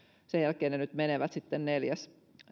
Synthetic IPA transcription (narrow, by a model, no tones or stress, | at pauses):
sejælkeːnenyt̪meneʋæt̪sit̪ːenneljæs